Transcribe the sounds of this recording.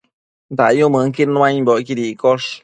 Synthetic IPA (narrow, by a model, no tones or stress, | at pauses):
nd̪ajumɨ̃ŋkiɾnũãibokiɾikoʂ